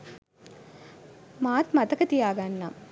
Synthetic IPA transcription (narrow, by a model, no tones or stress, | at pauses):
maːt̪mat̪əkət̪ijaːɡanːa